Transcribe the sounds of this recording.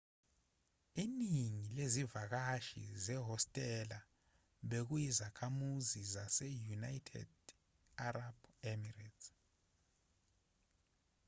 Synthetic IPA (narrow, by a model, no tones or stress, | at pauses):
iniŋilezivak̬aʃḭzɛɦɔstʼɛla | ɓek̬ujizakʰamuzizasɛjunajtʰɛ̰d̥ | arab̥ɛmirɛtʰ